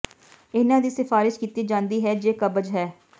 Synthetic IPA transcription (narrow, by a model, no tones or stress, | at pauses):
ɪnãːd̪iːsɪfaːɾɪʃkiːt̪iːd͡ʒãːnd̪iːɦɛːd͡ʒeːkəbəd͡ʒɦɛː